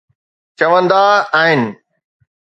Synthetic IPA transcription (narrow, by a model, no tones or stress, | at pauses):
t͡ɕɐʋə̃nd̪aɦɪnɪ̆